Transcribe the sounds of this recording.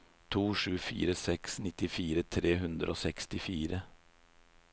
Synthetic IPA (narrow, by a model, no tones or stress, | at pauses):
t̪ʰuːʂʉːfḭːɾəsɛksnɪt̪ɪfiːɾət̪ʰɾeːɦʉnd̪ɾə̰ʔo̰ːsɛkst̪ɪfiːɾə